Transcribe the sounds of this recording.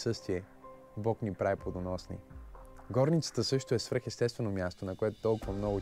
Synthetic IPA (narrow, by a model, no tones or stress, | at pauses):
sɤst̪viɛ | bɔknipɾaɛplˠod̪onɔsnḭ | ɡɔɾnit̪sə̥t̪əsɤʃt̪oɛsv̥əɾxɛst̪ɛst̪vɛnomʲjast̪onɐkoɛt̪o̥t̪ɔlˠkʊvəmnɔɡʊ